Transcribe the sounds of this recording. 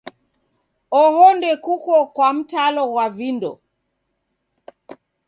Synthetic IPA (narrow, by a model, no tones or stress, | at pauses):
ɔhɔndɛkukɔkwam̩talɔɣwavindɔ̰